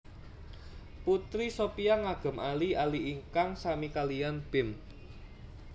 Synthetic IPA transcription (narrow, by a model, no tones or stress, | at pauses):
put̪ɾisopijaŋaɡ̥ə̤mʔalialiiŋkaŋsamikalijanb̥ɪ̤m